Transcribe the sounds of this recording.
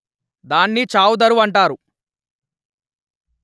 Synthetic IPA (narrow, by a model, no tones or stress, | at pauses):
d̪aːnːit͡ʃaːwud̪ɐɾuʋɐɳʈaːɾu